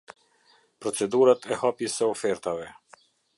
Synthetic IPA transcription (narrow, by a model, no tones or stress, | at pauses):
pɾɔt͡sɛd̪uɾat̪ʰɛhapjɛsɛɔfɛɾt̪avɛ